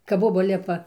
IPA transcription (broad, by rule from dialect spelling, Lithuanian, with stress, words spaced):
kɐp ˈboːbɐ ˈlʲɪpɐ